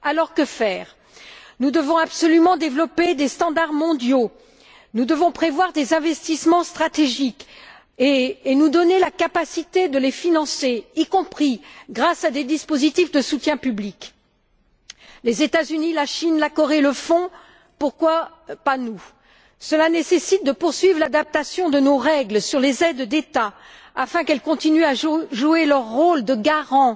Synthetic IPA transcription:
alɔʁkəfɛːʁ | nud̪əvɔ̃apsɔlymɑ̃d̪evlɔped̪est̪ɑ̃d̪aʁmɔ̃d̪jo | nud̪əvɔ̃pχevwaʁd̪ezɛ̃vɛst̪ismɑ̃st̪χat̪eʒik | eenud̪ɔnelakapasit̪ed̪əlefinɑ̃seikɔ̃pχiɡʁasad̪ed̪ispozit̪ifd̪əsut̪jɛ̃pyblik | lezet̪azynilaʃinlakɔʁeləfɔ̃ | puʁkwa | panu | səlanesesit̪̚d̪əpuʁsɥivlad̪ap̚t̪asjɔ̃d̪ənoʁɛɡlsyʁlezɛd̪d̪et̪a | afɛ̃kɛlkɔ̃t̪inyaʒʒuelœʁːold̪əɡaʁɑ̃

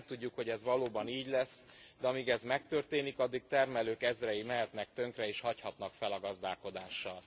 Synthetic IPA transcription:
t̪uɟːukho̞ɟɛzʋɒloːbɒniːɟlɛsːd̪ɛɒmiːɡɛzmɛk̚t̪ø̞rt̪eːnikɒd̪ːik̚t̪ɛrmɛløːkɛzrɛjimɛɦɛt̪nɛk̚t̪ø̞ŋkrɛeːʃhɒchɒt̪nɒkfɛlɒɡɒzd̪aːlko̞d̪aːʃːɒl

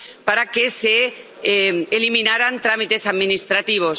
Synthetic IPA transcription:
paɾake̞se̞ | eliminaɾant̪ɾamit̪e̞saðmĩnist̪ɾat̪iβ̞o̞s

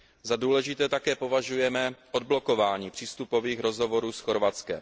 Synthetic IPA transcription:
zaduːlɛʒɪt̪ɛːt̪akɛːpo̞vaʒujɛmɛʔod̪̚blo̞ko̞vaːɲiːpr̝̥iːst̪upo̞viːxɾo̞zɦo̞vo̞ɾuːsxo̞ɾvat͡skɛ̰m

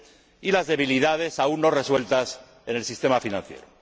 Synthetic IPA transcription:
ilazðe̞βiliðað̞e̞saunːo̞re̞swe̞lt̪as | ene̞lsist̪e̞mafinãn̟θje̞̰ɾo

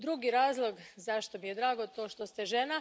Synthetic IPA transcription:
d̪ɾuɡiɾaːzlˠo̞ɡzaʃt̪omijed̪ɾaːɡo̞t̪o̞ːʃt̪ost̪eʒena

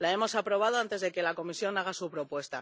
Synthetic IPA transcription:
laemo̞sapɾo̞β̞að̞o̞ant̪e̞zðe̞ke̞lako̞misjo̞naɣ̞asupɾo̞pwe̞st̪a̰

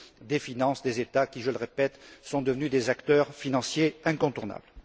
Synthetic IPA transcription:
d̪efinɑ̃sd̪ezet̪akʲiʒələʁepɛt̪sɔ̃d̪əvnyd̪ezakt̪œʁfinɑ̃sjeɛ̃kɔ̃t̪uʁna̰bl

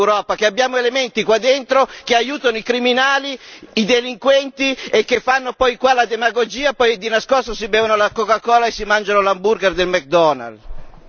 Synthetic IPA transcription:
wɾɔːpakeabːjaːmoelemɛnt̪ikwad̪ːɛnt̪ɾokeajuːt̪anoikɾiminaːliid̪eliŋkwɛnt̪iekːefːanːopɔjkwalad̪emaɡod͡ʒiːapɔjd̪inaskɔst̪osibɛːvanolakokakɔːlaesːimand͡ʒanolambuɾɡɛrd̪elmɛk̚d̪ɔna̰l

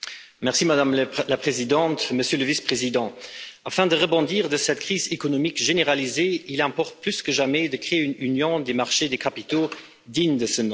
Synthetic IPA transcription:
mɛʁsimad̪amlapχezid̪ɑ̃t̪məsjøləvispχezid̪ɑ̃afɛ̃d̪əʁəbɔ̃d̪iːʁd̪əsɛt̪kχiːzekɔnɔmikʒeneʁalizeilɛ̃pɔʁt̪̚plyskəʒamɛd̪əkχeeynynjɔ̃d̪emaʁʃed̪ekʰapit̪o | d̪iɲd̪əsənɔ̃

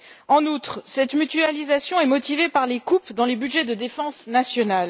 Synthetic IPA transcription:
ɑ̃nut̪χsɛt̪myt̪yalizasjɔ̃ɛmɔt̪ivepaʁlekupd̪ɑ̃lebyd̪ʒɛd̪əd̪efɑ̃snasjɔnal

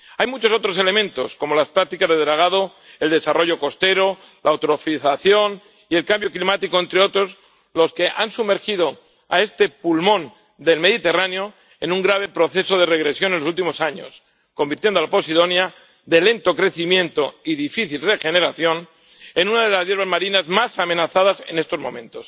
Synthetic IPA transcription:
ajmut͡ʃo̞so̞t̪ɾose̞le̞mẽ̞nt̪o̞sko̞mo̞laspɾak̚t̪ikazðeðɾaɣ̞að̞o̞ | e̞ld̪e̞sarʔo̞ʝo̞ko̞st̪e̞ɾo | lʔaːwt̪ɾofiθaθjo̞n | ie̞lkambjo̞klimat̪iko̞e̞nt̪ɾe̞o̞t̪ɾoz | lo̞ske̞ʔansume̞ɾxiðo̞ | a̰e̞st̪e̞pulmõ̞n | d̪e̞lme̞ðit̪e̞ranjo̞ | e̞nũŋɡɾaβ̞e̞pɾo̞θe̞so̞ðe̞re̞ɣ̞ɾe̞sjo̞nenlo̞s̬ult̪̬imo̞saɲo̞̰s | ko̞mbiɾt̪je̞nd̪oalapo̞sið̞o̞nja | ðe̞lẽ̞nt̪o̞kɾe̞θimjẽ̞nt̪o̞iðifiθilre̞xe̞ne̞ɾaθjo̞n | e̞nunaðe̞lazjeɾβ̞azmaɾinazmasamẽ̞naθað̞ase̞̰ne̞st̪o̞zmõ̞̰mẽ̞nt̪o̞s

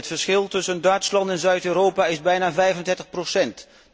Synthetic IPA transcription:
ətfəɹsχɪlˠtʏsəndœɥtslɑntɛnzœɥtøːɾowpaɪzbɛjnaːvɛjvəndɛɹtəχprosɛnt

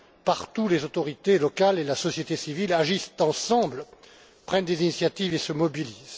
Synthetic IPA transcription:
paʁt̪ulezot̪ɔʁit̪elɔkalelasɔsjet̪esivilaʒist̪ɑ̃sɑ̃bl | pχɛnd̪ezinisjat̪ivesəmɔbiliz̥

